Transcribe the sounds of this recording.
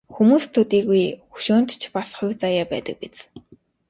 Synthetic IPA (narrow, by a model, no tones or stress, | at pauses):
xumuːst̪ʰːɵt̪iːɣujxu̥ʃʊːn̥t̪t͡ɕʰpasχʊjwt͡sajaːpæːt̪ə̆k̚pit͡s